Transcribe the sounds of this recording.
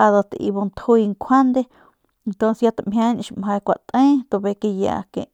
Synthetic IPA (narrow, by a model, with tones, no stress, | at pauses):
a˧ðo˧t̪ʔḭ˧βo˧nt̪ʰhu˧i˧ŋkʷʰa˦nd̪e˦˧ | nt̪õ˧nsja˧t̪a˧ʔmhʲjʲã˧˦n˧ʃi˧mɦã˧kʷa˨ʔt̪ʼẽ˦t̪o˧βe˧ke˧ja̰˧ʔkḛ̃˧˨ʔ